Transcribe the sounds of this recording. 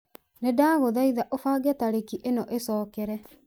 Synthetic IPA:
nedaːɣoðaiðaʔofaːɡɛtaɾekiʔenɔʔesɔːkɛɾɛ

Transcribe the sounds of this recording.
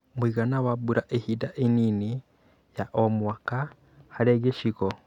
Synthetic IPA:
mwiɣanawaβuɾaʔehidaʔenini | jaʔomwaka | haɾeɡeʃiɣo

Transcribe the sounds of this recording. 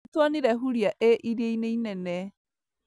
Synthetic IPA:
tuaniɾɛɦuɾiaʔeʔiɾiejnejnɛnɛ

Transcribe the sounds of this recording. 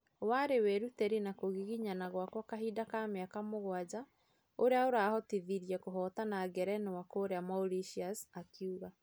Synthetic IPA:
waɾeweɾutɛɾinakoɣiɣiɲanaɣwakwakaɦidakameakamoɣwad͡ʑa | oɾeaoɾaːhɔtiðiɾjɛkoɦɔtanaɡɛɾɛnewakoɾeamaoliʃiasakiuɣa

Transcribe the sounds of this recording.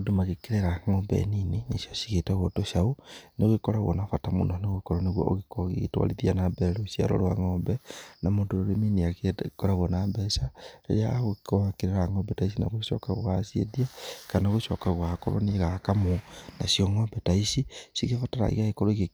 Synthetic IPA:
dumaɣekeɾeɾaŋɔːmbɛ̰nininesioʃiɣetaɣotoʃaonoɣekoɾaɣwɔ̰nafatamṵnaneɣokɔɾoneɣwɔ̰ʔoɣikoɣitwa̰iðianambɛɾɛɾeoʃia̰ɾo̰ɾoa̰ŋɔːmbɛnamoːdooɾeminiaɣekɔɾaɣwɔnaːmbɛsalḛɾeaɣokoakeɾeɾaŋɔːmbɛtais̬ina̰ɣoʃɔ̰kaɣwasiḛdiakanaɣoʃɔkaɣwako̰ɾo̰neɣakamonaʃiɔŋɔːmbɛtaisiʃiɣefataɾa̰ɣḭaɣekoɾoɣe

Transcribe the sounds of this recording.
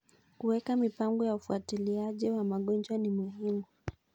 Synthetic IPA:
kuwɛkamipaŋɡɔjaufuatiliaʄiwamaɠɔnd͡ʒwanimuhimu

